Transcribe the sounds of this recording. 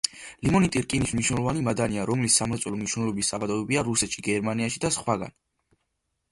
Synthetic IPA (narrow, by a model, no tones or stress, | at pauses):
limɔnit̪ʼiɾkʼinismniʃnɛlˠɔvanimad̪aniaɾɔmlisːamɾɛt̪sʼɛlɔmniʃwnɛlɔbisːabad̪ɔɛbiaɾusɛt̪ʃiɡɛɾmaniaʃid̪asχwaɡa̰n